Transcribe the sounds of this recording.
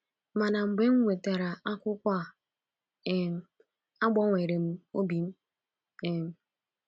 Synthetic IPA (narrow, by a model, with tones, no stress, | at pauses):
ma˨na˨ŋ͡m̩˨ɡ͡be˦ŋ̩˦ŋʷe˨ta˨ɾa˨a˦kʷʊ˦kʷa˦ | e˨˦ | a˦ɡ͡bɔ˦ŋʷe˨ɾe˨m̩˦o˦bi˨m̩˦ | e˨m̩˨